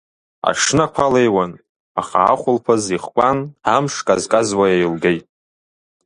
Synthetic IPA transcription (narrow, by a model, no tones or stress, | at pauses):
a̰ʂnakʷʰalejwan | aχa̰ːχʷʊlpʰaziχkʷʼanamʂkʼazkʼazwajajlɡejtʼ